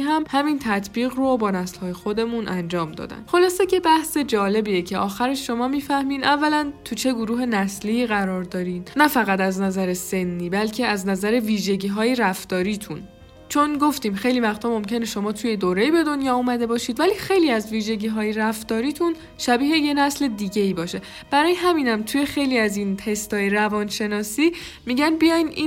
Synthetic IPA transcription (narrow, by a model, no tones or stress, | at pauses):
ɦæmhæmint̪ʰæt̪ʰbiːɣrobɒːnæslhɒːje̞xo̞d̪e̞munʔænd͡ʒɒːmd̪ɒ̰ːd̪æ̰nxo̞lɒːse̞ce̞bæhse̞d͡ʒɒːle̞biːecʰeʔɒːxæɾeʃʃo̞mɒːmiːfæhmiːnævːælænt̪ʰut͡ʃʰe̞ɡoɾuːɦe̞næsliːɣæɾɒːɾd̪ɒːɾiːd̪næfæɣæt̪æznæzæɾe̞senːiːbælcʰe̞æznæzæɾeviːʒe̞ɟiːɦɒːjeɾæft̪ɒːɾiːt̪ʰun | t͡ʃʰo̞nɡo̞ft̪iːmxe̞jlivæχt̪ʰɒːmo̞mcʰe̞neʃo̞mɒːt̪ʰuje̞d̪oːɾejibe̞d̪o̞njɒːumæd̪e̞bɒːʃiːd̪væliːxe̞jliːæzviːʒe̞ɟiːɦɒːjeɾæft̪ɒːɾiːt̪ʰun | ʃæbiːɦeje̞næsle̞d̪iːɟe̞iːbɒːʃe̞ | b̥æɾɒːjeɦæmiːnæmt̪ʰuje̞xe̞jliæzint̪ʰe̞st̪ɒːjeɾævɒːnʃe̞nɒːsiː | miɟænbijɒjnʔiːn